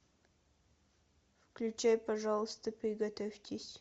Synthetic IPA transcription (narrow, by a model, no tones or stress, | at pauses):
fklʲʉt͡ɕajpɐʐɑlˠəst̪əpɾʲɪɡɐt̪ofʲt̪ʲɪsʲ